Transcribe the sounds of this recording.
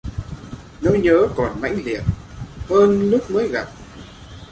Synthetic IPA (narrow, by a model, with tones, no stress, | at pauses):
no˧jɲəː˨˦kɔ˨˩nma̰˧˥jŋ̟lḭ˨˩ət̚ | həː˧nlʊ˦˥k͡p̚məː˨˦jɣa˨˩p̚